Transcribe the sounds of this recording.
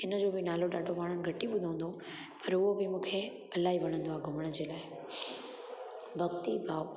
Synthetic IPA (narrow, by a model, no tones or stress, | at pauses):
ɪnəd͡ʑobɪnaːloɗaːɖʱoʋaːɽ̃ənɪ̆ɡʱɐʈiɓʊd̪ʱə̃ə̃n̆d̪o | pɐɾʊɦobɪmũːkʰe | ɐlaːɦiʋɐɽ̃ə̃nd̪oaːɡʱʊməɽ̃əd͡ʑeːlaːɪ | bʱɐɡt̪ibʱaːʋ